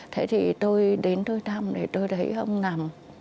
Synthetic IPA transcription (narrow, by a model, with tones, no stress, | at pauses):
t̪ʰe˧˥˦t̪ʰi˨˩t̪o˧jɗe˨˦nt̪o˧jt̪ʰa˧mɗe˨˩t̪o˧jɗ̪ə˨˦jʔə̰˧wŋ͡mna˨˩m